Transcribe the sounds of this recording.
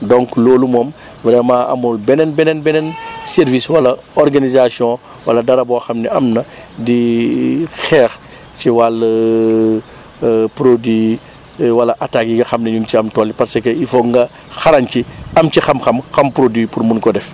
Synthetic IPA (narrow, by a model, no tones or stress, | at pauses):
dɔŋklɔːlumɔːm | bɾɛmaɐ̰mulbɛnɛnbɛnɛnbɛnɛnsɛrviswɐlɐ | ɔrɡanizasjɔ̃ | wɐ̰lɐdɐɾɐbɔxɐmnɛɐmnɐ | di | xɛːx | t͡ʃiwal | pɾodɥi | wɐlɐʔatakjiŋɡɐxɐmnɛɲunciɐmtɔlːipɐɾsɐkɛifɔŋɡɐ | xɐlɐnciɐmcixɐmxɐmxɐmpɾodɥipurmunkɔdɛf